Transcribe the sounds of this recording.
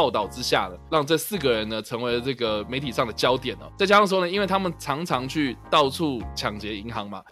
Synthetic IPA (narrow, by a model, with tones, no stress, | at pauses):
ʊt̪ɑ˥˩ʊʈ͡ʂɻ̩˦ɕja̰˥˩d̪ə˩ɻɑ˥˧ŋʈ͡ʂə˥˧sɹ̩˥˩ɡə˩ɻə˧˦nə˨ʈ͡ʂʰɤ˧˦˥ŋwe˧˥ɪlə˧ʈ͡ʂɤ˥˩ɡə˩me˧˥ɪt̪ʰi˨˩ʂɑ˥˩ŋd̪ə˩t͡ɕjɑ˥ʊt̪jɛ˨˩nɔ̰˦t͡sa˥˩ɪt͡ɕa˥˧˩ʂ̬wɔ˥˧nə˩i˥nwe˥˩ɪt̪ʰa˥mə˨nʈ͡ʂʰɑ˧˥ŋʈ͡ʂʰɑ˧˥ŋt͡ɕʰy˥˩t̪ɑ˥˧ʊʈ͡ʂʰu˥˩t͡ɕʰjɑ˨˩ŋt͡ɕjɛ˧˥i˧˥ŋxɑ˧˥ŋma̰˧